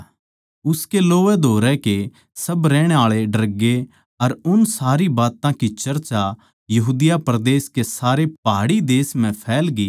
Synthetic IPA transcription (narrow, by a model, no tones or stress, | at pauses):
ʊskeloːʋɛd̪ʱoːɾɛke | sɐbɾɛːɽ̃eaːɭeɖɐɾɡe | ɐɾʊnsaːɾibaːt̪ãkit͡ʃɐɾt͡ʃa | jɐɦuːd̪ɪjapɾd̪eːskesaːɾepaːɽid̪eːsm̤ɛ̃pʰɛːlɡiː